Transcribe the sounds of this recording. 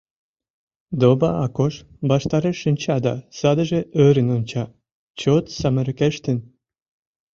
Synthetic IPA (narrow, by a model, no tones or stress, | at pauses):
d̪obɑɑkoʃ | bɑʃt̪ɑɾeʃənʲt͡ɕɑd̪ɑ̰sɑd̪əʒeøɾənonʲt͡ɕɑ | t͡ɕot̪sɑmə̆ɾkeʃt̪ə̆n